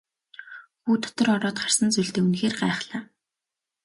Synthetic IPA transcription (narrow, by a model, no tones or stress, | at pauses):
xuːt̪ʰɔ̥t̪ɞ̆rɔɾɔːt̪χar̥sə̆nt͡suɮt̪eːunxeːrɢæːχɮaː